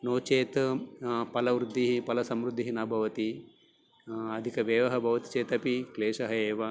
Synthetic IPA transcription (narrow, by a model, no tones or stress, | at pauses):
noːt͡ʃeːt̪ | pɐlɐʋɾud̪ʱːiɦipɐlɐsɐmɾud̪ʱːiɦinɐbʱɐʋɐt̪i | ɐd̪ʱikɐʋeːʋɐɦɐbʱɐʋɐt̪i̥t͡ʃeːt̪ɐpikleːʂɐɦɐeːʋɐ